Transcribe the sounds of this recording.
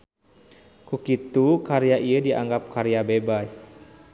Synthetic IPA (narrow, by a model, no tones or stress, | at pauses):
kukit̪ukaɾijaʔiədiʔa̰ŋɡap̚kaɾejabebas